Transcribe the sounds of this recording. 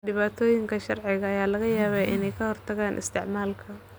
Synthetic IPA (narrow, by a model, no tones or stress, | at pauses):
ɖɪβaːt̪ʰɔːjɪŋkʰɐʃɐrʕɪɣɐɐjaːlɐɣɐjaːβɛʔɪnɛjkʰɐhɔrt̪ʰɐɣaːnʔɪ̰st̪ʰɪʕmaːlkʰɐ